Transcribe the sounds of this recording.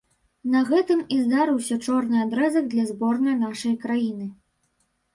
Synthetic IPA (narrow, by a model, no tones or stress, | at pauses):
nɐɣɛt̪ɨmizd̪aɾɨwsʲɐt͡ʂɔrnɨad̪ɾɛzɐɡd̪lʲɐzbɔrnɐjn̪aʂɐjkɾajinɨ